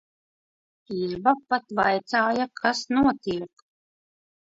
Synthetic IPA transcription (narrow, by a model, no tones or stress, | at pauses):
iɾbapat̪vajt̪saːjakʰasnuɔt̪iɛk